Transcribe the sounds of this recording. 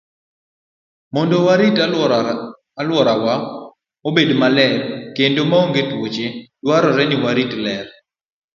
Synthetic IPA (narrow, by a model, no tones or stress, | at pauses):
mɔndɔwaɾita | alwɔɾawa | obedmalɛɾkendomaoŋɡetwot͡ʃed̥waɾɔɾɛnɪwaɾitlɛɾ